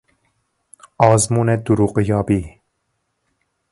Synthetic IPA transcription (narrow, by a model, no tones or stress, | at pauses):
ɑːzmuːnɛd̪uɾuqɨjɑːbiː